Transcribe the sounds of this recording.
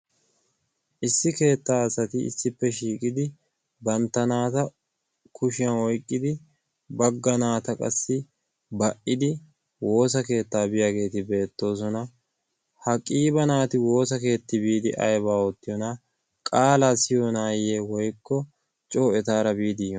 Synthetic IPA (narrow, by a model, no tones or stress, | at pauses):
ʔɪsːɪke̞ːt̪ːaːɐsɐt̪ɪɪ̰sːɪpːɛʃiːkʼɪd̪ɪ | bɐnt̪ːɐnaːt̪ɐ | kʊʃɪjɐnɔjkʼːɪd̪ɪ | bɐɡːɐnaːt̪ɐkʼɐ̰sːɪ | bɐʔɪd̪ɪ | wo̞ːsɐke̞ːt̪ːaːbɪjaːɡe̞ːt̪ɪbe̞ːt̪ːo̞ːs̬ɔnɐ | hɐkʼiːbɐnaːt̪ɪwo̞ːsɐke̞ːt̪ːɪbiːd̪ɪ̰ʔɐ̰jbaːɔt̪ːɪjɔnɐ | kʼaːlaːsɪjɔnaːjeːwɔjkːɔ | t͡ʃʼo̞ːɛt̪aːɾɐbiːd̪ɪjɔ